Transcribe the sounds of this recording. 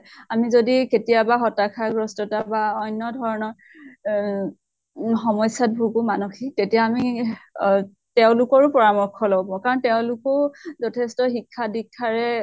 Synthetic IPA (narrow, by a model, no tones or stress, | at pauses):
amizodiketijabaxɔtakʰaɡɹɔstɔtabaɔjnːɔdʱɔɹɔnɔɹ | xɔmɔjsjat̚bʱuɡumanuxʰik̚tetijaːmi | tɛʊ̃lʊkɔɹʊpɔɹamɔɹkʰɔlɔɡɔbãʊ̃kaɹɔntɛʊ̃lʊkʊzɔtʰɛstɔxikʰːadikʰːaɹɛ